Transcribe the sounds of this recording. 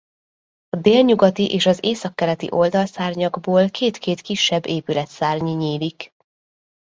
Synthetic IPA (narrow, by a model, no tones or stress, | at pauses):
ɒd̪eːlɲuɡɒt̪iʔeːʃɒzeːsɒkːɛɾɛt̪ḭʔo̞ld̪ɒlsaːrɲɒɡboːlkʰeːt̪keːt̪kiʃːɛbːeːpylɛt̪saːrɲiɲiːlik